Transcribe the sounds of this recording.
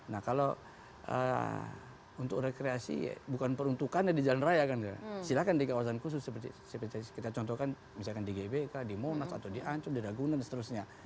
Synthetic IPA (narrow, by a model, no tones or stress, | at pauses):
nahkalo | ʔə̰ | unt̪ʊkrɛkɾeasḭbukanpəɾunt̪ukanɲadid͡ʒalanrajakan̰silakandikawasankus̬ʊsːəpərt̪isəpərt̪ikit̪at͡ʃɔnt̪ɔkan | misalkandiɡebekadimonasa̰t̪awdiʔaɲt͡ʃumdiɾaɡunansət̪əɾusɲa